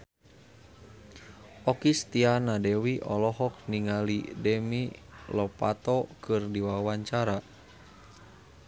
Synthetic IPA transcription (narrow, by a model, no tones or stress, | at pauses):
ʔɔkist̪ianadɛwiʔɔlɔɦɔk̚niŋalidɛmilɔpa̰t̪ɔkɨrdiwawaɲt͡ʃaɾa